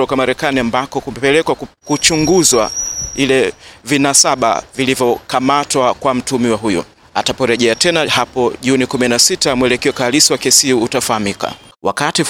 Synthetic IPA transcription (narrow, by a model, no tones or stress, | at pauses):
ɔkamaɾɛkaniambakɔkumɛpɛlɛkwakut͡ʃuŋɡuzwa̰ilɛvinasaɓa̰vilivjɔkamatwakwam̩tumiwaɦujṵ | a̰tapɔɾɛʄɛatɛnahapɔʄunikuminasitamwɛlɛkɛɔkalisiwakɛsiutafahamika̰wʔa̰kati